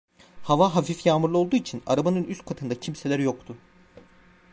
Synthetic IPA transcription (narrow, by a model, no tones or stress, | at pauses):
havaɦafifjaːmɯɾlˠɯo̞lˠd̪uːit͡ʃʰina̰ɾabanɯnyst̪̚kʰat̪ʰɯnd̪acʰimse̞lʲæɾjo̞kt̪ʰʊ